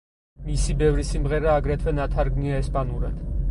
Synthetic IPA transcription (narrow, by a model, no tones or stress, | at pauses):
misibɛvɾisimʁɛɾaːɡɾɛt̪ʰwɛnat̪ʰaɾɡniaɛspʼanuɾɛ̰n